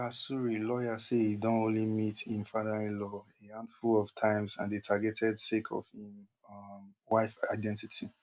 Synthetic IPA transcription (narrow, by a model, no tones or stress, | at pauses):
asuɹilɔjasehidɔ̃nõnlimitʰĩnfaðaɹĩnlɔ | iãndfulɔftʰãɪ̃msãndetʰaɡɛtʰɛdsekʰɔ̰fĩn | mwaɪfa̰ɪdɛ̃ntitʰi